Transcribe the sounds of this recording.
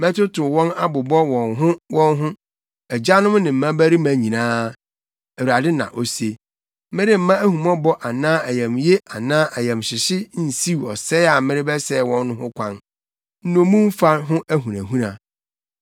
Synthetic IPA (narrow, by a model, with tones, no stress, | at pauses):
mɛ̃˦tʊ˦tʰʊ˨wɔ̃˦na˦bʊ˨bɔ˦wɔ̃˨nɦʊ̃˦wʔɔ̃˦nɦʊ̃˦ | æ˨d͡ʑa˦nʊ̃˦mnɪ̃˨m̩˨mã˦bæ˦ɾi˦mæ̃˦ɲĩ˨nãː˦ | æ˨u˨a˨dɪ˦nã̰˨ʔo˨se˨ | mɪ̃˦ɾɪ˦m̩˦mã˦æ˦ɦũ˨mɔ̃˦bɔ˦ʔa˨nãː˦æ˨jɛ̃˨mje˦a˨nãː˦ʔæ˨jɛ̃˨mɕɪ˨ɕɪ˦n̩˨si˦wɔ˨sɛ˦a˨mɪ̃˦ɾɪ˦bɛ˦sɛ˦˨wɔ̃˦nː˦ʊ̃˦hʊ̃˦kʷʰã˦n | n̩˦nʊ̃˨mũ˦m̩˦fa˦ɦʊ̃˦ʔæ˦ɦũ˨ɾæ˨ɦũ˦nã˨